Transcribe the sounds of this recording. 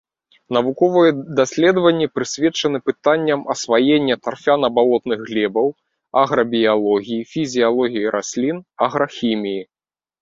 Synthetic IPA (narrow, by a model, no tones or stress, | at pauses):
nɐvukɔvɨjɛd̪asʲlʲɛd̪vɐnʲːipɾɨsʲvʲɛt͡ʂɐnɨpɨt̪anʲːɐmɐsvajenʲːɐt̪arfʲanɐbalˠɔt̪nɨɣɣlʲɛbɐw | aɣɾɐbʲijalˠɔɣʲijifʲizʲijalˠɔɣʲijiɾʔasʲlʲinaɣɾɐxʲimʲiji